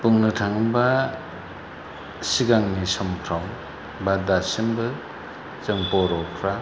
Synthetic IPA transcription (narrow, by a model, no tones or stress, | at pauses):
puŋnɯtʰaŋba | siɡaŋnisɔmkʰɾam | badasimbɯ | t͡ʃɯŋpɔɾɔkʰɾa